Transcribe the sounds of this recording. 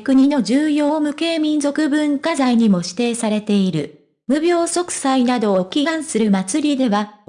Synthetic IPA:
kɯ̟ɲ̟ino̞d͡ʑɨːjo̞ːmɯ̟ke̞ːmʲĩnzo̞kɯ̟bɯ̟̃ŋkazaiɲ̟imo̞ɕi̥t̪e̞ːsaɾe̞t̪e̞iɾɯ̟̰ | mɯ̟bʲo̞ːso̞kɯ̟̥sainad̪o̞ːkʲiɡãɰ̃sɨɾɯ̟mat͡sɨɾʲid̪e̞βa

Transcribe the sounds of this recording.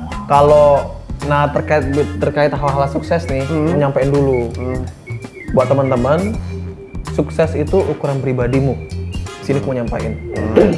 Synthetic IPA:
kalonaht̪ərkaɪt̪̚bt̪ərkaɪt̪aɦawaɦalasuksɛsnɪhəɲampaɪndulu | buat̪ːəmənt̪əmən | suksɛsit̪uʔukuɾanpɾibadimudisinikumuɲampa̰ʔɪn

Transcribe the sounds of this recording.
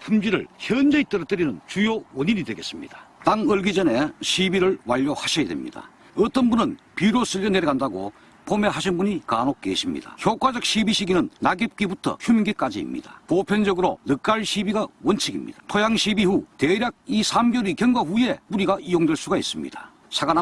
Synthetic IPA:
pʰumd͡ʑiɾɯ̰ɭçjʌnd͡ʑeit͈ɯɾʌt͈ɯɾinɯnt͡ɕujowʌɲiɲidwe̞ɡe̞s͈ɯmɲḭd̥ḁtaŋɯɭɡid͡ʑʌne̞ɕʰibiɾɯɭwaʎːohaɕʰijadwḛmɲḭd̥a̰ | ʌt͈ʌnbunɯn | piɾos͈ɯʎːoneɾeɡandaɡo̰ | pʰome̞ɦaɕʰinbuɲikanok̚k͈eɕʰimɲḭda̰çjok͈ad͡ʑʌk̚ɕʰibiɕʰiɡinɯnːaɡep̚k͈ibutʰʌ̰çumɡek͈ad͡ʑḭːmɲḭd̥a̰popʰjʌnd͡ʑʌɡɯɾonɯk͈aɭɕʰibiɡawʌnt͡ɕʰiɡḭmɲḭd̥ḁtʰojaŋɕʰibihuteɾjak̚isʰamɡjʌɾikjʌŋɡwaɸuje̞puɾiɡaʔijoŋdwe̞ɭs͈uɡaḭs͈ɯmɲḭd̥a̰ | sʰaɡana

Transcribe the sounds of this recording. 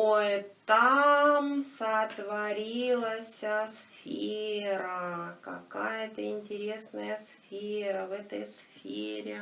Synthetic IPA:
ojt̪amsət̪vɐɾʲilˠəsʲəsfʲeɾəkɐ̰kajət̪əɪnʲtʲɪɾʲesnəjəsfʲeɾəvɛt̪əjsfʲḛɾʲɪ

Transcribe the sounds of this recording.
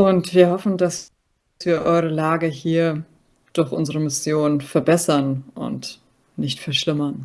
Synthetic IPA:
ʔʊntv̥iːɐhɔfn̩das | v̥iːɐʔɔʏʁ̞əlaːɡəhiːɐ | d̥ʊɐçʔʊnzəʁəmɪsjoːnfɛɐbɛsɐnʔʊ̰nt | nɪçtfɛɐʃlɪmɐn

